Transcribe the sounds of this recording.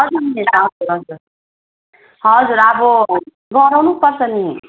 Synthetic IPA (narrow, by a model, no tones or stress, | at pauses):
ɦʌd͡zurnieɾaɦʌd͡zuɾɦʌd͡zuɾ | ɦʌd͡zuɾabʌ | ɡʌɾawnupʌrt͡sʰʌni